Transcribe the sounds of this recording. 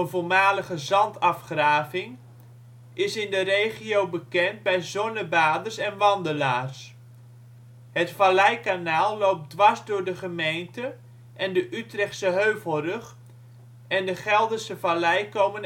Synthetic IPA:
ənvolmaːləχəzɑntɑfχraːvɪŋ | ʔɪsɪndərejχiowbəkɛnt̚bɛjzɔnəbaːdərsɛnʋɑndəlaːrs | ɦətfalɛjkanaːlˠːowp̚dʋazdʊːɹdəχəmejntə | ʔɛndəʔytrɛχtsəɦøɥvəlˠrøχ | ɛndəχɛlˠdəsəvalɛjkowmən

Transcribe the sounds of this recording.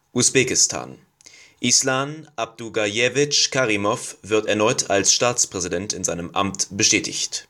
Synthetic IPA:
ʔusb̥ɛːkɪstʰa̰ːn | ʔislaːnʔab̚d̥uɡajɛvɪt͡ʃkʰaʁimɔfv̥ɪɐtɛɐnɔʏtʰalsʃtaːt͡spʁ̥ɛzidɛntɪnzaɪnəmʔa̰mtb̥əʃtɛːtʰɪ̰çt

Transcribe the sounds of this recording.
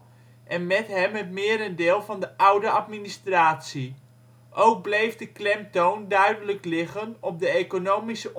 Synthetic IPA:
ʔɛnmɛtɦɛmətmɪəɾəndɪːlˠvɑndəʔʌwdəʔɑtministraːtsi | ʔowk̚blejvdəklɛm̚towndœɥdələklɪχənɔp̚dəekonowmisəʔ

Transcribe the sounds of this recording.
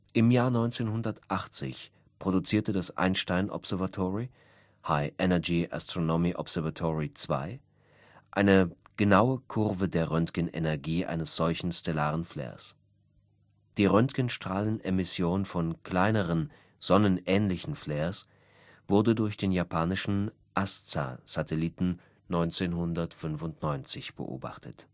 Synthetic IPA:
ʔɪmjaːɐnɔʏnt͡seːnɦʊndɐtʔaχt͡sɪ̰ç | pʁ̥odut͡siːɐtədasʔa̰ɪnʃtaɪnʔɔ̰pz̥ɛɐvatʰɔʁi | haɪʔɛnɛɐɡiʔa̰stʁ̥onomiʔɔ̰pz̥ɛɐvatʰɔʁit͡sv̥a̰ɪ | ʔaɪnəɡ̥ənaʊəkʰʊʁvədeːɐʁœntkənʔḛnɛɐɡiːʔa̰ɪnəsz̥ɔlçn̩stʰɛlaːʁənflɛ̰ːɐ̰s | d̥iːʁœntkənʃtʁ̥aːlənʔemɪsjoːnfɔnkʰl̥aɪnəʁ̞ən | z̥ɔnənʔɛːnlɪçn̩flɛːɐs | v̥ʊɐdədʊɐçd̥eːnjapʰaːnɪʃn̩ | ʔast͡sa̰z̥atʰɛliːtn̩ | nɔʏnt͡seːnɦʊndɐtfʏnfʊntnɔʏnt͡sɪçb̥ə̰ʔo̰ːba̰χtət

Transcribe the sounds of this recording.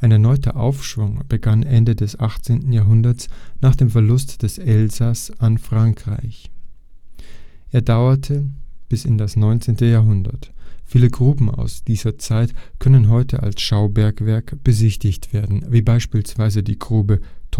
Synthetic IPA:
ʔaɪnɛɐnɔʏtʰɐ̰ʔa̰ʊfʃv̥ʊŋb̥əɡanʔɛndədɛsʔaχt͡seːntn̩jaːɐɦʊndɐt͡snaːχd̥eːmfɛɐlʊstd̥ɛsʔɛlzasanfʁ̥aŋkʁ̥a̰ɪç | ʔeːɐdaʊɐtʰəb̥ɪsɪndasnɔʏnt͡seːntəjaːɦʊndɐ̰tfiːləɡʁuːbm̩a̰ʊsd̥iːzɐt͡saɪtkʰœnənɦɔʏtʰəʔa̰lsʃaʊbɛɐkv̥ɛɐkb̥əzɪçtɪçtv̥eːɐdn̩viːbaɪʃpiːlsv̥aɪzədiːɡʁuːbətʰ

